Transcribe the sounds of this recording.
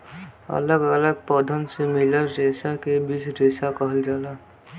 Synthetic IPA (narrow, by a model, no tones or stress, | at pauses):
ə̰ləɡələɡ̚pɔːd̪ʱənsemɪləɾɾeːsakebisɾeːsakəɦəld͡ʒaːlaː